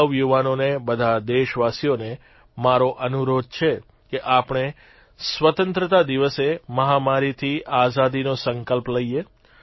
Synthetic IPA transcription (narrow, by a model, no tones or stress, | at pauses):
əʋjuʋanonebəd̪ʱad̪eʃʋasijone | maɾoʔənuɾod̪̚t͡ʃʰe | keʔapɳ̃e | sʋət̪ənt̪ɾət̪ad̪iʋəseməɦamaɾit̪ʰiazad̪inosəŋkəlpləije